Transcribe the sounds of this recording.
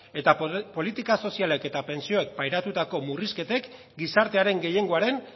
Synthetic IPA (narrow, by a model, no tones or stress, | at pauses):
e̞t̪apo̞lit̪ikaso̞siale̞ke̞t̪ape̞nsio̞e̞k̚pajɾat̪ut̪ako̞muriske̞t̪e̞k | ɡisaɾt̪e̞aɾe̞ŋɡe̞je̞ŋɡo̞aɾe̞ŋ